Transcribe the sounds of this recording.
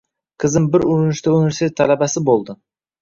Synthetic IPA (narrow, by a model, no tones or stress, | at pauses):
qʰɨzɪmbɪɾʊɾɪnɪʃt̪aunive̞ɾsʲt̪ʰʲet̪ʰːælabasɪbolˠd̪ɪ